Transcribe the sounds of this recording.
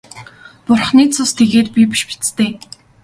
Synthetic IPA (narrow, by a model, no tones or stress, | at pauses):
pʊrχniːt͡sʰʊst̪ʰeɣeːt̪pʲipi̥ʃpi̥t͡st̪ʰeː